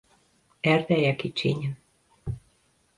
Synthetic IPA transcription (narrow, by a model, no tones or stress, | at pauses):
æɾðæjækit͡ʃeɲʲə̆n